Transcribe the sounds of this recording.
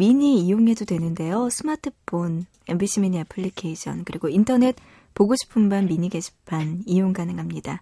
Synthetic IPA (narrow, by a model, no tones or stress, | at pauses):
miɲiːjoŋe̞dodwe̞nɯnde̞josʰɯmatʰɯpʰːon | e̞mbiɕʰimiɲiapʰɯɭːikʰeiɕʰʌ̰nkɯɾiɡointʰʌne̞t̚ | poɡoɕʰi̥pʰɯmmanmiɲiɡe̞ɕʰi̥pʰanijoŋkanɯŋɦamɲida